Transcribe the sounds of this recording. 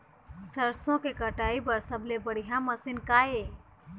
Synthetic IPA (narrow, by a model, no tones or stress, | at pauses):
səɾsõkekəʈaːibəɾsəblebəɽ̤iɦãməsɪnkaːe